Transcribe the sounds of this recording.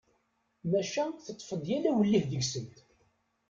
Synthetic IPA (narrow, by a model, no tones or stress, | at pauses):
mæʃæθət̪ˤːfəðˤjælæwəlːihðəʝsənt̪